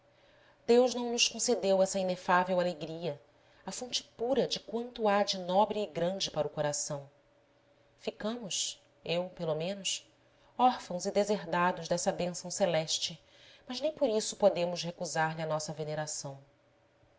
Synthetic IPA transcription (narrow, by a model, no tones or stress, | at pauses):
d̪̥ewʒnɐ̃w̃nʊskõsed̪ewɛsɐinefavewaleɡɾiɐ | afõnt͡ʃɪ̥puɾɐd͡ʒɪkwɐ̃nt̪ʊad͡ʒɪnɔbɾɪːɡɾɐ̃d͡ʒɪpaɾʊkoɾasɐ̃w̃ | fikɐ̃mʊs | ewpelomẽnʊs | ɔɾfɐ̃w̃zid̪ezeɦd̪ad̪ʊʒd̪ɛsɐbẽsɐ̃w̃selɛʃt͡ʃɪ | mɐznẽj̃poɾisʊpod̪ẽmʊshekuzaɾliɐnɔsɐveneɾasɐ̃w̃